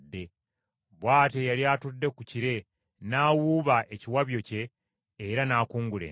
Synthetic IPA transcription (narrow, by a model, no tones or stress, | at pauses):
dːe̞ | βwaːte̞jaliatudːe̞kuciɾe̞ | naːwuβaʔe̞ciwaβjo̞ce̞ː | ɾanaːkuːŋɡulḛ